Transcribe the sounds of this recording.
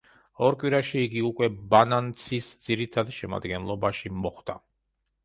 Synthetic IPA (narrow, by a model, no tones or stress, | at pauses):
ɔɾkʼwiɾaʃiːɡiukʼwɛbanant̪sʰisd̪z̥iɾit̪ʰad̪ʃɛma̰d̪ɡɛnlˠɔbaʃimɔχd̪̥a